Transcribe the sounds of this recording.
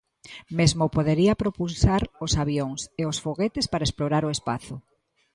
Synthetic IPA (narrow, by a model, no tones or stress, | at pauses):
mezmopoðeɾiapɾopusaɾosaβjoŋseosfoɣet̪ɪspaɾaesploɾaɾoespa̰θʊ